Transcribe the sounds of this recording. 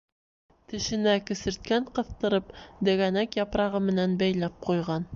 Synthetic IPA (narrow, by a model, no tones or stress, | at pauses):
t̪ɘ̆ʃɘ̆nækɘ̆sɘ̆ɾt̪̚kæɴqɤ̆θt̪ɤ̆ɾɤpd̪æ̆ɡænækjɑpɾɑʁɤmɘ̆nænbæjlæp̚qujʁɑn